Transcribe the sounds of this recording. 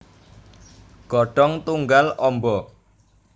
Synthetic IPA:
ɡ̥ɔɖ̥ɔŋt̪uŋɡalɔmbɔ

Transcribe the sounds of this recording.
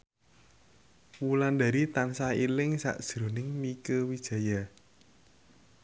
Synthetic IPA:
wuland̪a̤ɾit̪ansailɪŋsa̰ʔd̥ʒ̥ɾo̤nɪŋmikəwid̥ʒ̥a̤ja

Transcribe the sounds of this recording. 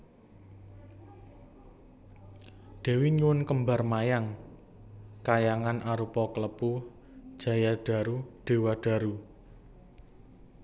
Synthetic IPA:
d̪̥e̤wiɲuwʊnkəmba̤rmajaŋ | kajaŋanʔaɾupɔkələpu | d̥ʒ̥ä̤jad̥a̤ɾuɖ̪̥e̤waɖ̥a̤ɾu

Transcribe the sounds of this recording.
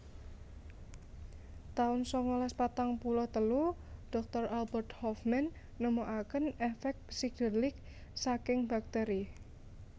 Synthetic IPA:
t̪aʊnsɔŋɔlaspat̪aŋpulɔht̪əluɖ̥ɔ̤k̚t̪ɔrʔalbərt̪hɔfmɛnː | əmoʔakənɛfɛk̚t̪̚siɡəlɪk̚ | sakɪŋb̥a̤k̚t̪eɾi

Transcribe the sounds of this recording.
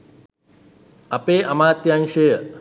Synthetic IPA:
ɐpeːʔɐmaːt̪janʃejə

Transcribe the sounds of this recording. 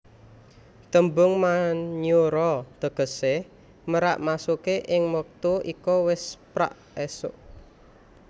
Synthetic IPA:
t̪əmbʊŋmaɲuɾɔd̪̥ə̤ɡ̥ə̤seh | məɾa̰ʔmasukeʔɪŋmək̚t̪uʔikɔwɪspɾa̰ʔ | ɛsʊ̰ʔ

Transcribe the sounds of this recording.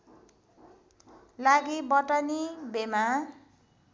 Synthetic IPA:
laɡibʌʈʌnibema

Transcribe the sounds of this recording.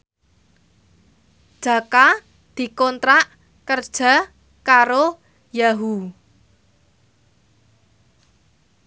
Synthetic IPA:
d̥ʒ̥a̤ka | d̪̥i̤kɔnt̪ɾaʔ | kərd̥ʒ̥a̤ | kaɾo | jaɦu

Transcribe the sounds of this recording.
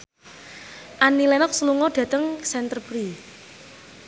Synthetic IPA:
ʔanːilɛnɔk̚səluŋɔd̥ä̤t̪əŋsɛnt̪ərpɾi

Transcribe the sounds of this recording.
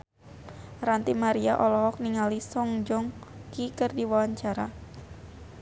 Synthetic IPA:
rant̪imaɾia̰ʔɔlɔɦɔk̚niŋalisɔŋd͡ʒɔŋkikərdiwawaɲt͡ʃaɾa

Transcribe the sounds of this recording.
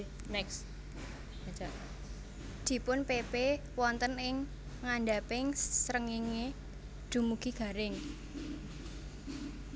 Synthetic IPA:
nɛks | at͡ʃa | d̪̥i̤pʊnpepe | wɔnt̪ənɪŋː | aɳɖapɪŋsɾəŋiŋe | d̪̥ṳmuɡ̥i̤ɡ̥a̤ɾɪŋ

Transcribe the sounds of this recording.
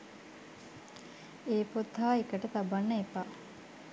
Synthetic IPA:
eːpot̪ɦaːikəʈət̪abanːəepaː

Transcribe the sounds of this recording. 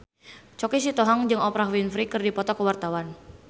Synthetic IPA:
t͡ʃɔkisit̪ɔɦɔŋd͡ʒɨŋɔpɾawinfɾikɨrdipɔt̪ɔkəwart̪awan

